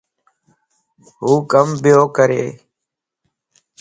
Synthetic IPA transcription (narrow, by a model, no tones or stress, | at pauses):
ɦuːkəmbɪjoːkəɾḛː